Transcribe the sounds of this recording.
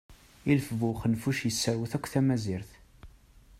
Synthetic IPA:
ilfəvʊχənfuʃjəsːəɾwəθækʷːθæmæziɾθ

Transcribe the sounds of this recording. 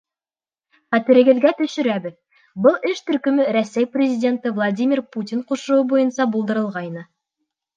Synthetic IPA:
χæt̪ɘ̆ɾɘ̆ɡɘ̆ðɡæt̪ɵ̆ʃɵ̆ɾæbɘð | bɤlˠɘʃt̪ɵ̆ɾkɵ̆mɘɾæsæjprʲɪzʲɪdʲe̞nt̪ɤvlˠadʲimʲɪrputʲiɴquʃɤ̆wɤbujɤ̆nsɑbulˠd̪ɤ̆ɾɤ̆lˠʁɑjnɤ

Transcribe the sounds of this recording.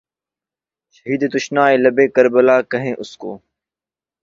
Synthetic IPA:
ʃəɦiːd̪t̪ʊʃnaːeːləbeːkəɾbəlaːkəɦẽːʔʊsko̰ː

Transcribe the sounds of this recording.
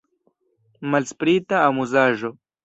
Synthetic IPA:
malspɾiːt̪aːmuzaːʒo

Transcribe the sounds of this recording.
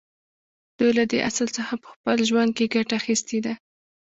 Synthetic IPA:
d̪̥ujlad̪əʔaslt͡səxapə̥xpəlʒwand̪̚keɡaʈaːxist̪ed̪a

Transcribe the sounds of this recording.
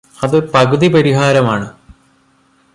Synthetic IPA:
ɐðɨpɐɣɨðipɐɾiɦaːɾɐmaːɳɨ

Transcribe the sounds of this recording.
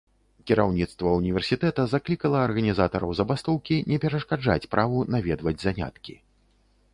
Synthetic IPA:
kʲiɾawnʲit̪st̪vɐunʲivʲɛrsʲit̪ɛt̪ɐzaklʲikɐlˠɐːrɣɐnʲizat̪ɐɾɐwzɐbast̪ɔwkʲinʲɛpʲɛɾɐʂkad͡ʐa̰t͡sʲpɾʔavunavʲɛd̪vɐd͡zʲzanʲa̰t̪kʲi

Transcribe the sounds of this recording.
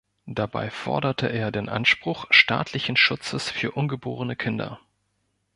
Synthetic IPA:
d̥aba̰ɪfɔ̰ɐdɐtʰəʔeːɐdeːnʔa̰nʃpʁ̥ʊχʃta̰ːtʰlɪçn̩ʃʊt͡səsfyːɐʔʊnɡəboːʁənəkʰɪndɐ̰

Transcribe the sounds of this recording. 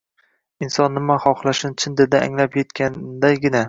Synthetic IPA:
ɪnsɒnːɪmaχɒχlˠaʃɪnt͡ʃʰɪnd̪ed̪aa̰ŋlapjet̪kʲand̪ajɡʲɪna

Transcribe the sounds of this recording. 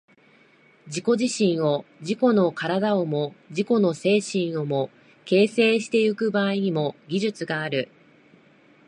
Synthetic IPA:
d͡ʑiko̞ʑiɕĩɰ̃o̞d͡ʑiko̞no̞kaɾad̪aomo̞d͡ʑiko̞no̞se̞ːɕĩɰ̃o̞mo̞ | ke̞ːse̞ːɕi̥t̪e̞ɯ̟kɯ̟baːiɲ̟imo̞ɡʲiʑɨt͡sɨɡaːɾɯ̟

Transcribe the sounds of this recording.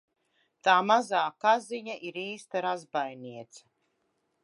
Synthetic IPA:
t̪aːmazaːkaziɲaʔiɾiːst̪aɾazbajniɛt̪sɐ̥

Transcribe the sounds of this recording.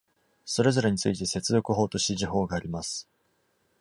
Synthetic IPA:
so̞ɾe̞zo̞ɾe̞ɲ̟it͡sɨit̪e̞se̞t͡sɨd̪o̞kɯ̟ɦo̞ːt̪o̞ɕt̪iʑiɦo̞ːɡaːɾʲimasɨ̥

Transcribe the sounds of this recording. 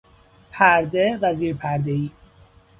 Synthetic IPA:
pʰæɾd̪evæziːɾpʰæɾd̪eiː

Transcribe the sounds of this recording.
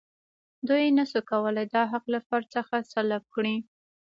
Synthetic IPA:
d̪ujenasukawəlajd̪ɑɦaqlafaɾt͡səxasalab̚kɽi

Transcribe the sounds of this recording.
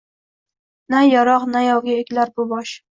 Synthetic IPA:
najɒɾɒqnajɒwɡʲaekʲlaɾbʊbɒʃ

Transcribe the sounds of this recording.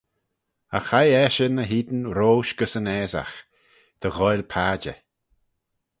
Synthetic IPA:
axajɛʃənəɦiːd̪ənɾoːʃɡ̥əsənɛːza̰x | d̪̥əɣɔjlpʰaːd͡ʒə̰

